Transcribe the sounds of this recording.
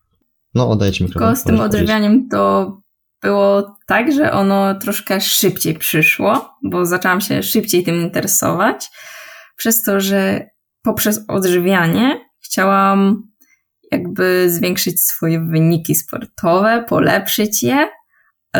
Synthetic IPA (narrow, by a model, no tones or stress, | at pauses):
nɔɔ̰d̪ajt͡ɕmʲikɾkɔst̪ɘmɔd̪ʐvʲjaɲɛmt̪ɔ | b̥ɘwɔt̪aɡʐɛ̰ʔɔnɔt̪ɾɔʂkɛʂɘpt͡ɕejpʂɘʂwɔbɔzat͡ʂɛwamɕɛ̰ʂɘp̚t͡ɕejt̪ɘmint̪ɛɾɛsɔ̰vat͡ɕ | pʂɛst̪ɔʐɛ | pɔpʂɛsɔ̰d̪ʐvʲjaɲɛxt͡ɕawam | ja̰ɡ̚bɘzvʲjɛŋkʂɘt͡ɕsfɔjɛvɘɲikʲispɔ̰ɾt̪ʰɔvɛpʰɔ̰lɛ̰pʂɘt͡ɕjɛ